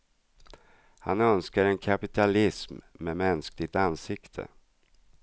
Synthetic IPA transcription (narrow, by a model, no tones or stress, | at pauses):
hanœnskaɾɛnkʰapɪt̪ʰalɪsmːemɛnsklɪɡ̚t̪ansɪkt̪ʰə̰